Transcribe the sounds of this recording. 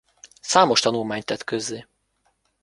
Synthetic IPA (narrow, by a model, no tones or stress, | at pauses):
saːmo̞ʃt̪ɒnulmaːɲt̪ɛt̪køzːeː